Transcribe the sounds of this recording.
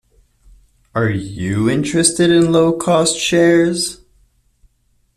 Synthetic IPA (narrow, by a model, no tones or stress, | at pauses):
ə˞jɨɪ̃nt͡ʃɹ̥ɨstɨɾɨ̃nloʊkʰɔstʃɛɹz̥